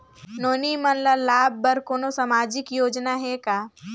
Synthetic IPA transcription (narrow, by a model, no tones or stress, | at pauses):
noːnimɐnlalaːbʱːɐɾkoːnosamaːd͡ʒɪkjoːd͡ʒnaɦɛkaː